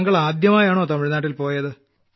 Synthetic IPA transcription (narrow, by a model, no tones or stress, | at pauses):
ŋɡɐɭaːd̪jɐmaːjaːɳoːt̪ɐmuɻinaːʈːilpo̞ːjɐðɨ